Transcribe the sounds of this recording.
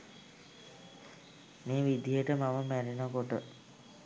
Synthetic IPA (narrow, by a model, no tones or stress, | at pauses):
meːʋid̪ijəʈəmaməmæɾenakoʈə